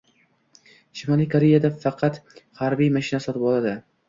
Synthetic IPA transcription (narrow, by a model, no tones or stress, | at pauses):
ʃɪmalˠijkʰoɾejad̪afɑqʰɑt̪haɾbijmaʃɪnasɒt̪ɪpɒlˠad̪ɪ